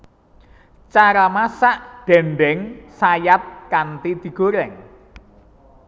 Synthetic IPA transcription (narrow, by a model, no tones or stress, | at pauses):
t͡ʃaɾamasaʔɖ̥ɛ̤mbɛŋsajap̚kant̪id̪̥i̤ɡ̥o̤ɾɛŋ